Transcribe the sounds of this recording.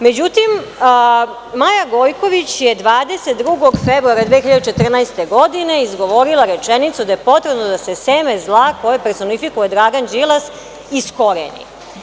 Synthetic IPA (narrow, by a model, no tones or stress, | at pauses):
med͡ʑut̪im | majaɡojko̞ʋit͡ɕjed̪ʋaːd̪e̞set̪̚d̪ɾuɡoɡfebɾuaɾad̪ʋexiʎad̪ut͡ʃet̪r̩nast̪eɡo̞d̪ine̞izɡo̞ʋo̞ɾilˠaɾet͡ʃenit̪sud̪ajepo̞t̪ɾebnod̪ase̞seːmezlˠako̞jepeɾso̞nifikuje̞d̪ɾaɡand͡ʒilˠas | isko̞ɾḛnḭ